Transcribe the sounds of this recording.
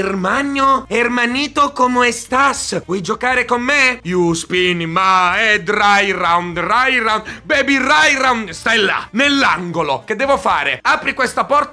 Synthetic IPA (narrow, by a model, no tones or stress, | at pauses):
rmaɲːoɛrmaniːt̪okomoɛst̪asvwɔjd͡ʒokaːɾekomːejuspinmaɛd̪ɾajrawnd̪rajɾaw̪bɛbirajrawnst̪ajla̰nelːaŋɡoloked̪ːɛːvofaːɾeaːpɾikwest̪apɔrt̪